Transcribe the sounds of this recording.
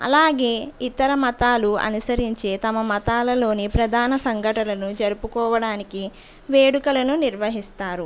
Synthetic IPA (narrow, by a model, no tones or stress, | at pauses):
ɐ̰laːɡe̞ːit̪ɐɾɐmɐt̪aːluɐ̰nusɐɾiɲt͡ʃeːt̪ɐmɐmɐt̪aːlɐlo̞ːnipɾɐd̪ʱaːnɐsɐŋɡʱɐʈɐlɐnud͡ʒɐɾupukɔːʋɐɽaːniki | ʋe̞ːɽukɐlɐnuniɾʋɐɦist̪aːɾu